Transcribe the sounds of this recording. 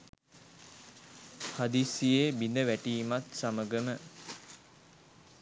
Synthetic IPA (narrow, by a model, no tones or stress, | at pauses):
had̪isijebind̪əʋæʈiːmat̪saməɡəmə